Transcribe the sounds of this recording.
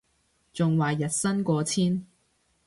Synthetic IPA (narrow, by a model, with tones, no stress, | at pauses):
t͡sʊ˨ŋwaː˨jɐ˨t̚sɐ˥nkɔː˧t͡sʰiː˥n